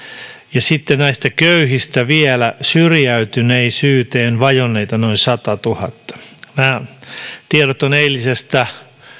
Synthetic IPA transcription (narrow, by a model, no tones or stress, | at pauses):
jɑsit̪ːenæist̪ækøyhist̪æʋielæsyrjæyt̪yneisyːt̪eːnʋɑjonːeit̪ɑnoinsɑt̪ɑt̪uhɑt̪ːɑ̥mæː | t̪ierot̪oneilːisest̪æ